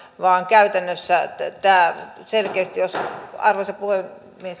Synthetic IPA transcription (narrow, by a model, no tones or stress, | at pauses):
ʋɑːŋkæyt̪ænːøsːæt̪æːselkeːst̪ijosɑ̰rʋosɑpuhe | mies